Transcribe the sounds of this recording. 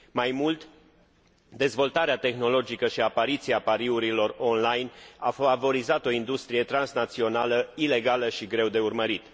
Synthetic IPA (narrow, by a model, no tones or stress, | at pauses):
majmult̪ | d̪e̞zvo̞lt̪aɾeat̪e̞xno̞lo̞d͡ʒikəʃiapaɾit̪siapaɾiuɾilo̞ro̞nlajna̰favo̞ɾizat̪o̞ind̪ust̪ɾije̞t̪ɾansnat̪sio̞naləile̞ɡaləʃiɡɾe̞wd̪e̞urməɾit̪